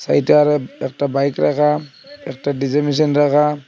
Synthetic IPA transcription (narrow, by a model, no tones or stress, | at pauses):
sa̰jtaɾɯɛk̚tabajkɾakʰa | ɛk̚tadizemis̬ɔnɾakʰa